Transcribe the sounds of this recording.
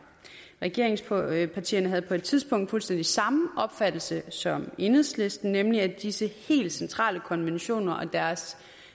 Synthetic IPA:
ʁɛɡ̥e̝ɐ̰e̝ŋspʰɑ̈t͡sʰḭːɐnəɦæð̞̩ˠpʰɒ̽e̝d̥̚t͡sʰið̞ˠsb̥ɔ̽ŋ̰d̥fulsd̥en̰d̥isɑ̈mʔɒ̽b̥fæd̥l̩səsɒ̽me̝nheðˠsle̝sd̥n̩nemliæd̥isəhe̝̰ːld̥sent͡sʰʁɑ̰̈ːləkʰɒ̽nʋenɕo̝̰ːnɐʔɒ̽d̥æɐs

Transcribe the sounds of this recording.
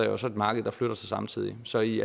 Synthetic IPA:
ɐjoɒsɒ̽e̝d̥mɑ̈ːɡ̥əð̩ˠd̥ɑ̈fløɾ̥ɐsʰɑsɑ̈mt͡sʰið̰ˠisɒ̽iæ

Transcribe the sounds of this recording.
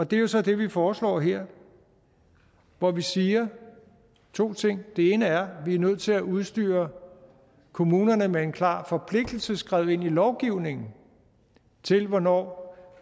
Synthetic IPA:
ɒ̽d̥e̝jo̝sɒ̽d̥e̝ʋifɒːslɒ̰ːɦeɐ̰ | ʋɒʋisiːɐ | t͡sʰo̝̰ːt͡sʰe̝ŋ̰d̥e̝e̝ːnəæɐʋiæɐnøð̞̰̩ˠt͡sʰe̝læʔuð̞ˠsd̥y̰ːɐ | kʰo̝muːnɐnəmee̝nkʰlɑ̰̈ːfɒ̽pʰle̝ɡ̥̚d̥l̩səsɡ̥ʁaðˠe̝n̰ilɒʊɡ̥iʊne̝ŋn̩ | t͡sʰe̝lʋɒnɒ̰ː

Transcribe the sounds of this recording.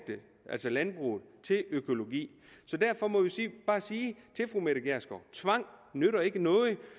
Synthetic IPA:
d̥ə | ʔælsɒlænb̥ʁṵːð̩ˠt͡sʰe̝løkʰo̝lo̝ɡḭː | sɒ̽d̥æɐfɒ̽mɒ̽ʋisiːb̥ɑ̈ːsiːt͡sʰe̝lfʁumeɾəɡ̥æɐ̰sɡ̥ɒt͡sʰʋɑ̈ŋ̰nøɾɐe̝ɡ̥ənɔ̽ːð̩ˠ

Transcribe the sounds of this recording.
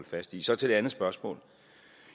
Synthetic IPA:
lfæsd̥isɒ̽t͡sʰe̝d̥eænð̩ˠsb̥ɶɐsmɔ̰̽ːl

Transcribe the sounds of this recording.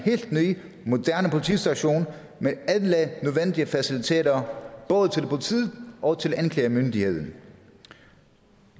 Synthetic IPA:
he̝̰ːl̰d̥nyː | mo̝d̥æɐnəpʰo̝lit͡sʰḭsd̥æɕo̝̰ːn | meæðˠlənøðˠʋen̰d̥iəfæsilit͡sʰe̝̰ːɾ̥ɐb̥ɔ̽ːð̞ˠət͡sʰe̝lpʰolit͡sʰið̰ˠʔɒ̽t͡sʰe̝lænkʰlɛ̰mønd̥ihe̝ð̞̰ˠn̩

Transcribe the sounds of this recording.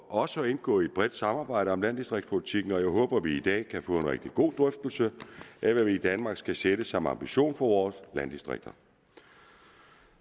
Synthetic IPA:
ʔɒ̽səɒe̝nɡ̥ɔ̰̽ːied̥̚b̥ʁɛd̥sɑ̈mɑ̈ːb̥ɑ̈ɪ̰ɾəɒ̽mlænd̥isd̥ʁeɡ̥spʰo̝lit͡sʰiɡ̥n̩ɒ̽jɑɪɦɔ̽ːb̥ɐʋiːd̥ɛ̰ːkʰæfɔ̰̽ːe̝nʁɛɡ̥̚d̥iɡ̥o̝̰ːd̥ʁœfd̥l̩səʔæʋæʋiːd̥ænmɑ̈ːɡ̥sɡ̥æseɾ̥əsɒ̽mɑ̈mb̥iɕo̝̰ːnfɒ̽ʋɒːslænd̥isd̥ʁḛɡ̥̚d̥ɐ

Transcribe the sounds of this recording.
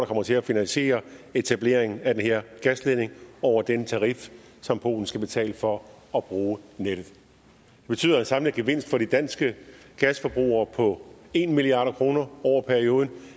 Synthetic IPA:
ɾɑ̈kʰɒ̽m̰ɐt͡sʰe̝læfinænɕe̝̰ːɐe̝t͡sʰæb̥le̝̰ɐ̰eŋn̩æd̥enɦeɐ̰ɡ̥æsleðne̝ŋɒʊ̰ɐd̥enət͡sʰɑ̈ʁif | sɒ̽mpʰo̝̰ːln̩sɡ̥æb̥e̝t͡sʰɛ̰ːləfɒ̽ | ɒ̽b̥ʁuːneɾ̥ð̩ˠ | d̥eb̥e̝t͡sʰy̰ðˠɐensɑ̈mləɡ̥eʋe̝n̰sd̥fɒ̽ɾ̥id̥æn̰sɡ̥əɡ̥æsfɒ̽b̥ʁṵːɐːpʰɒ̽e̝nmiliɑ̰̈ːɾ̥ɐkʰʁo̝ːnɐɒʊ̰ɐpʰæɐio̝ːð̞ˠn̩

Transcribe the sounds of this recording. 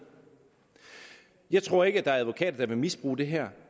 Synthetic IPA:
jɑ̈ɪt͡sʰʁo̝̰ɐe̝ɡ̥əæd̥ɑ̈æɐæðʋo̝kʰɛ̰ːd̥ɐd̥ɑ̈ʋe̝misb̥ʁṵːd̥e̝ɦæɐ̰

